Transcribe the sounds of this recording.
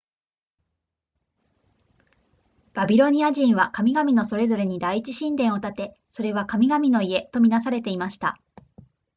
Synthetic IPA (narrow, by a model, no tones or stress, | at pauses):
b̥abʲiɾo̞ɲ̟iaʑĩɰ̃βakamʲiɡamʲino̞so̞ɾe̞zo̞ɾe̞ɲ̟id̪aiit͡ɕiɕĩnd̪ẽ̞ɰ̃o̞t̪at̪e̞ | so̞ɾe̞βakamʲiɡamʲino̞ie̞t̪o̞mʲinasaɾe̞t̪e̞imaɕi̥t̪a̰